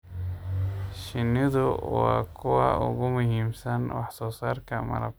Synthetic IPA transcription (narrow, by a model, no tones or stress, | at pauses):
ʃɪnɪðʊwɑːkʰʊwɑ̰ʔʊ̰ɣʊmʊɦiːmsɐnwɑħsɔːsaːrkʰɐmɐ̰lɐ̰b